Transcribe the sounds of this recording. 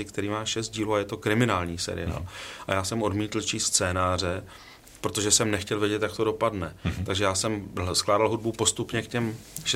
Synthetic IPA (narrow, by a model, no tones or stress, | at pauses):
ɪkt̪ɛɾiːmaːʃɛst̪̚ɟiːluːajɛt̪okɾɪmɪnaːlɲiːsɛ̰ɾɪ̰ja̰ːlʔa̰jaːsɛmʔo̞dmiːt̪l̩t͡ʃiːst͡sɛːnaːr̝ɛ | pɾot̪o̞ʒɛsɛmnɛxcɛlvjɛɟɛt̪jak̚t̪o̞do̞padnɛt̪aɡʒɛjaːsɛmsklaːdalɦud̚bupo̞st̪upɲɛkcɛmʃɛ